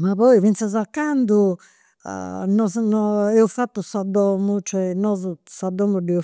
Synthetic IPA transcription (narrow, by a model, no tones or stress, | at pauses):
mapɔivint̪sazakːand̪ṵ | nɔnɔɛufat̪ːusad̪ɔmut͡ʃɔɛnɔzusad̪ːɔmud̪ɛu